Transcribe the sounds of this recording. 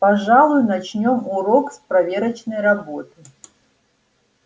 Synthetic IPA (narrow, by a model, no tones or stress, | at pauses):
paʐalˠujʊnat͡ʃnʲɔmuɾɔkspɾavʲɛɾɐt͡ʃnɐjrabot̪ɨ